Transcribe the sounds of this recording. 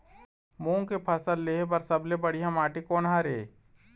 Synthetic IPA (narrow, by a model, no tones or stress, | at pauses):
mõːkepʰɐsəlːeːpɐɾsəblebəɽijãmaːʈikoːnɦaɾeː